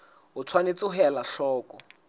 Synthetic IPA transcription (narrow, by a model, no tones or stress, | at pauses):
ɦʊt͡sʰwanet͡sʼɪɦɛlaʃɔːkɔ